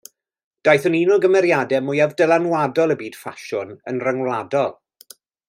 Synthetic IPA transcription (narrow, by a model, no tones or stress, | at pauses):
d̥ajθʊniːnʊlˠɡəmɛɾjadɛmʊjavdəlanwadɔlˠəbiːd̥faʃʊnənrəŋwlˠadɔlˠ